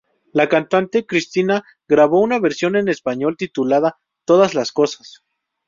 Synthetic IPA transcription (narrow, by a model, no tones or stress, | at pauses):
lakant̪ant̪e̞kɾist̪ina | ɣɾaβo̞unaβe̞ɾsjo̞ne̞ne̞spaɲo̞lt̪it̪ulað̞a | t̪o̞ðazlasko̞sḁs